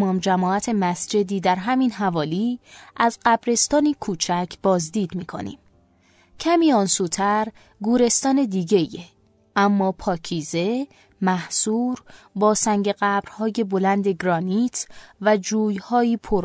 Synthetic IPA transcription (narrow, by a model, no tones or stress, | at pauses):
mɒːmd͡ʒæmɒːæt̪ʰe̞mæsd͡ʒe̞d̪iːd̪æɾɦæmiːnɦævɒːliːʔæzɢæbɾe̞st̪ɒːnikʰuːt͡ʃʰæcʰb̥ɒːzd̪iːd̪miːkʰo̞̰nḭːm | cʰæmiːɒːnsuːt̪ʰæɾ | ɡuːɾe̞st̪ɒːne̞d̪iːɟe̞je | ʔæmːɒːpʰɒːcʰiːze̞ | mæhsuːɾ | bɒːsæŋɟe̞ɣæbɾhɒːje̞bo̞lænd̪e̞ɡɾɒːniːt̪ʰvæd͡ʒuːjhɒːiːpʰoɾ